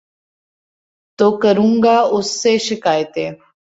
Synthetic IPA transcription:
t̪oːkəɾũːŋɡaʊsːeʃɪkaːjɪt̪eː

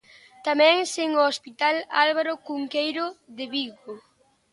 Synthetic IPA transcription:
t̪amɛ̃ŋseŋoospit̪alalβaɾokuŋkejɾoðeβiɣo

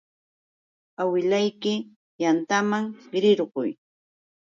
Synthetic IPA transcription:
awɪlajkɪ | jant̪amaŋɾɪɾɢʊ̰j

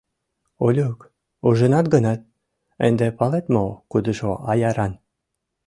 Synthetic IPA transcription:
olʲuk | uʒənɑt̪̚ɡənɑt̪̚ | ḛnd̪epɑlet̪mokud̪əʒoʔɑjɑɾɑn

